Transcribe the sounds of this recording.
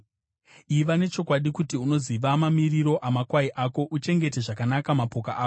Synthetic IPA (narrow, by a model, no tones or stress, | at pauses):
iʋane̞t͡ʃo̞kwaɗikutiuno̞ziʋamamiriɾo̞ʔamakwaiʔako̞ʔut͡ʃe̞ŋɡe̞te̞ʐakanakamapo̞kaʔaːko